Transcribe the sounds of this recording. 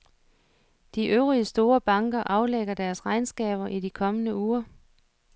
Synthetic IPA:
d̥iʔøʊʁiəsd̥o̝ːɐb̥ɑ̈ŋɡ̥ɐʔɑ̈ʊleɡ̥ɐd̥æɐsʁɑ̈ɪnsɡ̥ɛ̰ːb̥ɐʔidikʰɒ̽mənəuːɐ

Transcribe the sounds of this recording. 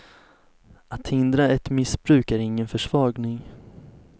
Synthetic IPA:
at̪hɪnd̪ɾaɛt̪mɪsb̥ɾʉ̟ːkæɾɪŋːənfœʂvɑːɡnɪŋ

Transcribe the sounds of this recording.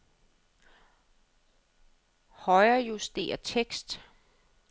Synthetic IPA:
hɒɪɐːjusd̥e̝̰ːɐt͡sʰeɡ̥sd̥

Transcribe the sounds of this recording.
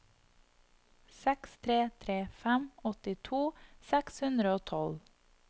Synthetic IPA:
sɛkst̪ʰɾeːt̪ʰɾeːfɛmɔt̪ɪt̪ʰuːsɛkshʉnd̪ɾəoːt̪ʰɔl

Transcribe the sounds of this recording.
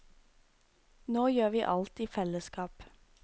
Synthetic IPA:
noːjøːʋiːʔɑlt̪iːfɛləskɑːp

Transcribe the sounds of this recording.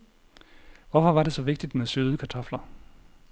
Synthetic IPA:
ʋɒfɒ̽ʋɑ̈ɾ̥e̝sɒ̽ʋe̝ɡ̥̚d̥id̥mesøːðˠəkʰɑ̈t͡sʰɒ̽flɐ

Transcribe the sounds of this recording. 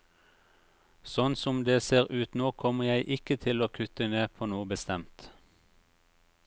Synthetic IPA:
sɔnsɔmd̪eːseːʁʉːt̪noːkʰɔməjæɪʔɪkət̪ʰɪloːkʰʉt̪əneːpʰoːnuːəbəst̪ɛmt̪

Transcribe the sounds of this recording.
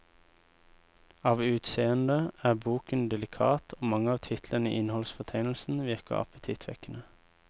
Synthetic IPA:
ɑːʋʉːt̪seːənd̪əæːbuːkənd̪ɛlɪkʰɑ̰ːt̪ʰoːmɑŋəɑːʋt̪ʰɪt̪ʰlənḭːʔɪnhɔlsfɔt̪ʰæɪnl̩sn̩ʋɪʁkə̰ɑ̰pət̪ʰɪt̪ʰʋɛ̰kənə

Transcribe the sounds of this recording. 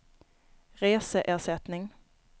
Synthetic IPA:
ʁeːsəʔæːʁsɛt̪nɪŋ

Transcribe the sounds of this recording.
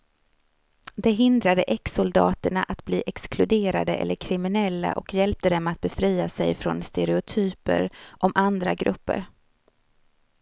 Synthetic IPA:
d̪ɛɦɪnd̪ɾad̪əʔɛksʊld̪ɑ̰ːt̪əɳaʔat̪bliːʔɛksklɵd̪eːɾa̰d̪əʔɛ̰lːəɾkʰɾɪmɪnɛlːa̰ʔɔkjɛlp̚t̪əd̪ɛmat̪̚bɛfɾiːasɛjfɾɔ̰nst̪ɛɾɛʊt̪ʰyːpə̰ɾʔɔmʔand̪ɾaɡɾɵpːə̰ɾ

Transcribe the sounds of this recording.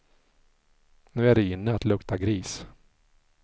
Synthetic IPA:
nʉ̟ːæɖɛɪnːəat̪lɵkt̪ʰaɡɾiːs

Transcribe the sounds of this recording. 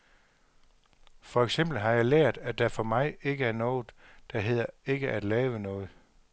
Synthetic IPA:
fɒ̽eɡ̥sem̰b̥l̩ɦɑ̈jɑ̈ɪleɐ̰d̥æd̥æɐfɒ̽mɑ̈ɪe̝ɡ̥əæɐnɔ̽ːð̩ˠd̥ɑ̈ɦe̝ð̞̰ˠɐe̝ɡ̥əʔæd̥lɛːʋənɔ̽ːð̞̩ˠ

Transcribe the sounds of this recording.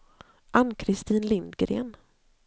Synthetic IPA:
ʔanːkʰɾɪst̪iːnlɪnd̪ɡɾḛːn

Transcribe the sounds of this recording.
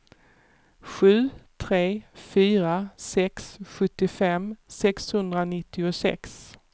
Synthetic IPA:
ɧʉ̟ːt̪ʰɾeːfyːɾasɛksɧɵt̪ːɪfɛmːsɛkshɵnd̪ɾanɪt̪ːɪʊsɛ̰ks

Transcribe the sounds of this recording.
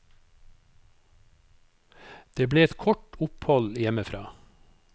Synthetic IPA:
d̪̥eːbleːɛt̪kʰɔʈʊphɔljɛməfɾɑː

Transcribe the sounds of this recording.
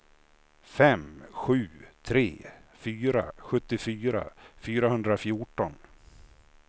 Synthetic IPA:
fɛmɧʉ̟ːt̪ʰɾeːfyːɾa̰ɧɵt̪ːɪfyːɾa̰fyːɾahɵnd̪ɾafjʊʈɔn

